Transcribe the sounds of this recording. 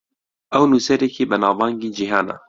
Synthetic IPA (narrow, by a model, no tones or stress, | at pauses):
ʔɛwnusɛɾɛkʰeːbənɑːvɑːŋɡiːd͡ʒiɦɑːna̰